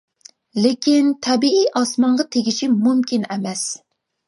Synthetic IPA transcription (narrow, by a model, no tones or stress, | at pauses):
lekʲint̪ʰɛbiijʔɑsmɑɴʁɑt̪ʰeɡʲiʃimumkʲinɛmɛs